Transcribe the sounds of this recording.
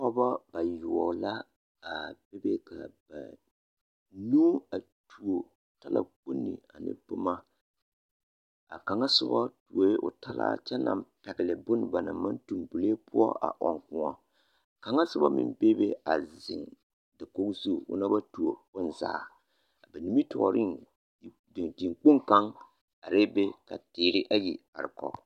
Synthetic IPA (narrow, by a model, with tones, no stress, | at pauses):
ɔ˦ba˦ba˨ju˨ɔ˨la˦ | a˨b̥e˦be˦kʰa˨b̥a̰˨ | nuː˦a˨ | tu˨o˨ | ta˦lʔa̰˦k͡pu˦nːɪ̰˨a˨nɪ̰˦bʊ˦ma˦ | a̰˨ka˨ŋa˦sʊ˦ba˦tu˨o˦ʔʊ̰˨ta˦la̰˦t͡ʃɛ˦na̰˨mpɛ˨ɡɪ˨lɪ˨bʊ˦n˨ba˨na˨ma˦ntu˨mbu˨le˦pʊ˦ɔ̰˦ʔa̰˨ʔɔ˨ŋkʊ̃˨˦ɔ˦˨ | ka˨ŋa˦sʊ˦ba˦mɪ̰˨mbe˦be˦a˨zɪ˨ŋ | da˨ko˦kzu˦˨ʊ̰˦na˦ba˦tu˨o˨bʊ˦n˨za̰ː˨˦˨ | ba˨ni˦mi˦tʰɔ˨ɾɪ˦ŋ˨ | ddi˨ŋk͡pʊ˦ŋka˦ŋ | a˨ɾeː˦be˦ka˨tɪː˨ɾɪ˦ʔa˦ji˨ | a̰˨ɾɪ˨kɔ̰˨